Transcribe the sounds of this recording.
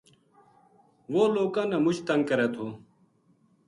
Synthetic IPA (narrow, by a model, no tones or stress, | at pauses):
ʋoːloːkãːnamʊt͡ʃt̪ə̃ŋɡkəɾeːt̪ʰoː